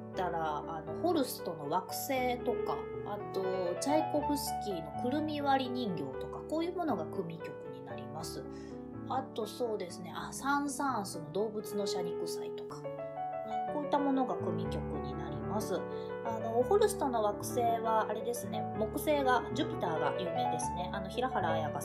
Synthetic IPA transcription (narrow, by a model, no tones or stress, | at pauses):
t̪aɾaːno̞ho̞ɾɯ̟sɨ̥t̪o̞no̞βakɯ̟̥se̞ːt̪o̞ka̰ːt̪o̞t͡ɕaiko̞ɸɯ̟sɨ̥kʲino̞kɯ̟ɾɯ̟mʲiβaɾʲiɲ̟ĩŋɡʲo̞ːt̪o̞kḁko̞ːjɯ̟ːmo̞no̞ɡakɯ̟mʲikʲo̞kɯ̟ɲ̟inaɾʲimasɨ | at̪o̞so̞ːd̪e̞sɨne̞ʔasãsãsɨnod̪o̞ːbɯ̟t͡sɨno̞ɕaɾʲikɯ̟sait̪o̞̥kḁ | ko̞ːit̪ːamo̞no̞ɡakɯ̟mʲikʲo̞kɯ̟ɲ̟inaɾʲimasɨ | ano̞ːɸoɾɯ̟sɨ̥t̪ono̞βakɯ̟̥se̞ːβaːɾe̞d̪e̞sɨne̞mo̞kɯ̟se̞ːɡad͡ʑɨpʲit̪aːɡa̰jɯːme̞ːd̪e̞sɨne̞ʔano̞çiɾahaɾaːjaka